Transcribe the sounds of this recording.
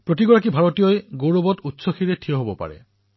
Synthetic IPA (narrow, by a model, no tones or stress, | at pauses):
pɹotiɡɔɹak̬ibʱaɹotijɔjɡowɹobɔtutsɔxiɹɛtʰijɔɦobɔpa̰ɹɛ̰